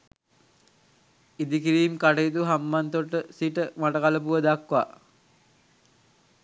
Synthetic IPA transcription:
id̪ikiɾiːmkaʈeit̪uɦambant̪oʈːəsiʈəmaʈəkaləpuʋəd̪akːʋa̰

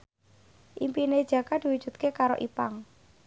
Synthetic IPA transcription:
ʔimpined̥ʒ̥ä̤kad̪̥i̤wud̥ʒ̥ṳt̪̚kekaɾo̰ʔipaŋ

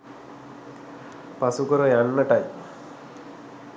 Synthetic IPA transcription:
pasukəɾəjanːəʈaj

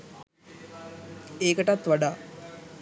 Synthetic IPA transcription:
eːkəʈat̪ʋaɖaː

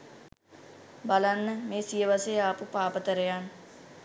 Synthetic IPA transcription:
bɐlanːəmẽːsijəʋaseapupaːpət̪əɾejan

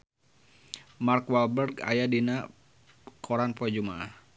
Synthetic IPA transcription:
markwalbərɡa̰jadina | kʰɔɾanpɔd͡ʒumaʔah

